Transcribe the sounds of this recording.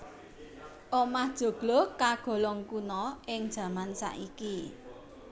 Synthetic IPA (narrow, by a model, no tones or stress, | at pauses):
ʔomahd̥ʒ̥o̤ɡ̥lɔkaɡ̥ɔ̤lɔŋkunɔʔɪŋd̥ʒ̥ä̤mansa̰ʔiki